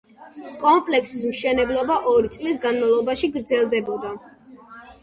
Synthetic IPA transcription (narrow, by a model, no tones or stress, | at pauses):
kʼɔmpʼlɛksismʃɛnɛblˠɔbaʔɔɾit̪sʼlis̬ɡanmavlˠɔbaʃiɡɾd̪zɛlˠd̪ɛbɔd̪a